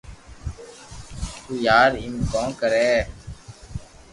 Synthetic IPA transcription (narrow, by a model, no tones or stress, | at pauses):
t̪uːjaːɾɪmkõːkəɾɛː